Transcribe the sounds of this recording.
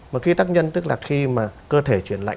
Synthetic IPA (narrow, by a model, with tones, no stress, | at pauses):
maː˨˩xi˧t̪aː˦˥k̚ɲə˧nt̪ɨ˦˥k̚laː˨˩xi˧maː˨˩kəː˧t̪ʰe˧˩t͡ɕwi˧˩ənla̰ː˧˨